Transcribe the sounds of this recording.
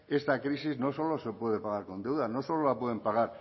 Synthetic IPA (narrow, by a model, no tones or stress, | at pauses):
e̞st̪akɾisiznosolo̞sepweð̞epaɣaɾkond̪ewðanosololapweð̞empaɣ̞aɾ